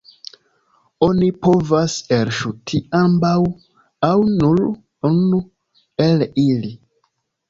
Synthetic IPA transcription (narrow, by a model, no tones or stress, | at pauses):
o̞nipo̞vaselʃutʰiambaw | awnul | unu | elili